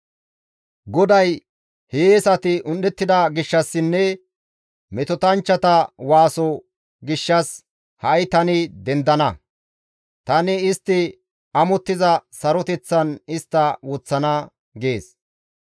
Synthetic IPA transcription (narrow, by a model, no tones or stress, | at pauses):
ɡɔd̪ɐj | heːsɐt̪ɪʔʊnɗɛt̪ːɪd̪ɐɡɪʃːɐsːɪnːɛ | mɛt̪ɔt̪ɐnt͡ʃːɐt̪ɐwaːsɔ | ɡɪʃːɐs | hɐjt̪ɐnɪd̪ɛnd̪ɐnɐ | t̪ɐnɪɪst̪ːɪ | ɐmɔt̪ːɪzɐsɐɾɔt̪ɛt͡sːɐnɪst̪ːɐwɔt͡sːɐnɐ | ɡe̞ːs